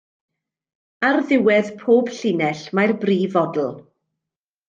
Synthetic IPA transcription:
arðɪwɛðpʰoːb̥ɬɪnɛɬmajrbriːvɔdl̩ˠ

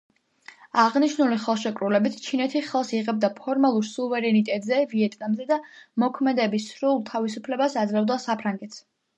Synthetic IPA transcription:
aʁniʃnuliχɛlˠʃɛkʼɾulɛbit̪ʰt͡ʃʰinɛt̪ʰiχɛlˠsiʁɛb̚d̪apʰɔɾmalˠuɾsuvɛɾɛnit̪ʼɛt̪ʼzɛviɛt̪ʼnamzɛd̪amɔkʰmɛd̪ɛbisɾulˠt̪ʰavisupʰlɛbasad̪zlɛvd̪asapʰɾaŋɡɛt̪ʰs

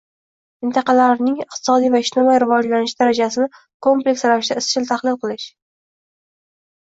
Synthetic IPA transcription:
mɪnt̪ʰɑqʰɑlaɾnɪŋɪqt̪ʰɪ̥sɒd̪ijvaɪʃt̪ʰɪmajɾɪvɒd͡ʒlanɪʃd̪aɾad͡ʒasɪnɪ | kʰo̞mple̞kʲsɾavɪʃɪd̪aɪst͡ʃʰɪlt̪ʰaχlɪlˠqʰɨlˠɪʃ

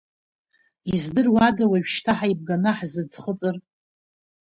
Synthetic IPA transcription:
izdɨrwadawaʒᶣʃtʰaħaib̚ɡanaħzɨd͡zχət͡sʼɨr

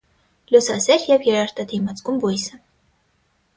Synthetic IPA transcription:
lʲɔsɑsɛɾjɛvjɛɾɑɾt̪ɑd̪ʰimɑt͡sɡumvujsə

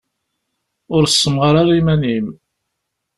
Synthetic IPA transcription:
ʊɾsːəmʁɾˤaɾimænim

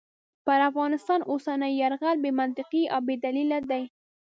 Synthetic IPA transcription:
pəɾafɣɑnɪst̪ɑnʔosanəjaɾɣalbemant̪ɪqiʔawbed̪alilad̪aj

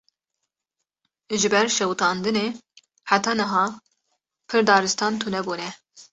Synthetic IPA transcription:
ʒɨbɛɾʃɛwt̪ʰɑːnd̪ɨneː | ħat̪ʰɑːnɨɦɑː | pʰɨɾd̪ɑːɾɨst̪ɑːnt̪ʰunɛbuːnɛ

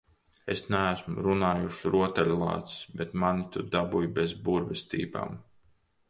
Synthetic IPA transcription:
esnæːsmuɾunaːjuʃɾuɔt̪ɛlʲlˠɑ̰ːt̪ssbet̪manit̪ud̪abujbezbuɾvest̪ḭːba̰ːm

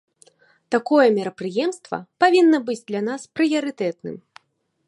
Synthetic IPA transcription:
t̪akɔjɐmʲɛɾɐpɾɨjɛmst̪vɐ̰pavʲinːɐbɨd͡zʲd̪lʲan̪aspɾɨjɐɾɨt̪ɛt̪̚nɨ̰m

